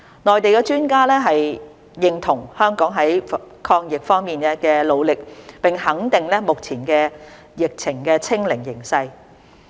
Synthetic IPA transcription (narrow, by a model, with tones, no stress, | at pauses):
nɔː˨˩jt̪e˨jkɛː˧t͡ʃyː˥nkaː˥lɛː˥ɦɐ˨j | jɪ˨˧ŋt̪ʰʊ˨˩ŋhœː˥ŋkɔː˨˥ŋɦɐ˨˥jkʰɔː˧ŋjɪ˨k̚fɔː˥ŋmiː˨˩nkɛ˧kɛː˧lo˨˧wlɪ˨k̚pɪ˨ŋhɐ˨˥ŋt̪ɪ˨ŋlɛː˥mʊ˨k̚t͡sʰiː˨˩nkɛː˧ | jɪ˨k̚t͡sʰɪ˨˩ŋkɛː˧t͡sʰɪ˥ŋlɪ˨˩ŋjɪ˨˩ŋsɐ˧j